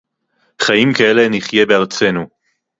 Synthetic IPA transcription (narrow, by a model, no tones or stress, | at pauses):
χaimkae̞le̞niχje̞beaʁt͡se̞nu